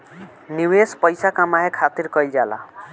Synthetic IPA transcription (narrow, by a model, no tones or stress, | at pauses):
niwespʌjsakamaɦekʰat̪iɾkʌjld͡ʒala̰